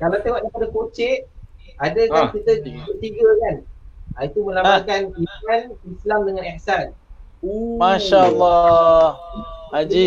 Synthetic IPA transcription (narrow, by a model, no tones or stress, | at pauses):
kalawt̪awaʔ̚dajpadakot͡ʃɛʔ̚ | adakakit̪əbərt̪iɡakanait̪umə̃lapaŋkanimanislamdəŋãnihsan | omaʃalːɔ | ad͡ʒi